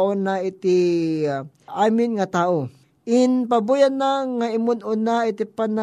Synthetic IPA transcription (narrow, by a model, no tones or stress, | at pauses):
ʔonaʔɪt̪ɪ | ʔaːmɪnŋɐt̪aːʔo | ʔɪnpɐbuːjanaŋaʔɪmʊnʊnaɪt̪ɪpana